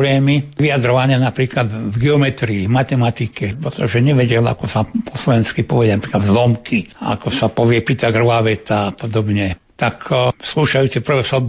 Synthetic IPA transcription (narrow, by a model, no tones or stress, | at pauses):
blɛːmiʋiad̪ɾɔʋaɲɪanapɾiːklad̪vɡɛɔmɛt̪ɾiːɦmat̪ɛmat̪ikɛpɾɛt̪ɔʒɛɲɛʋɛɟɛla̰kɔsapʰɔslɔʋɛnskipɔʋɛɟanapɾiːklad̪zlɔmkʰia̰kɔsapɔʋɪɛpit̪aɡrʋaʋɛt̪aːpɔd̪ɔbɲɛ | t̪aksluʃajuːt͡sɛpr̩ʋɛsɔ